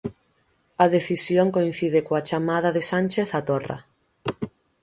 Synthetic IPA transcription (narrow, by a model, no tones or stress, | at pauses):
aðeθisjoŋkoin̟θiðɪkoat͡ʃamaðaðesanʲt͡ʃeθat̪ora̰